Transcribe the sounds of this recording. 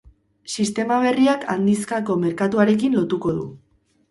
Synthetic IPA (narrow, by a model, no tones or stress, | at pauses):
sist̪e̞maβ̞e̞riaka̰nd̪iskako̞me̞ɾkat̪uaɾe̞kinlo̞t̪uko̞ðṵ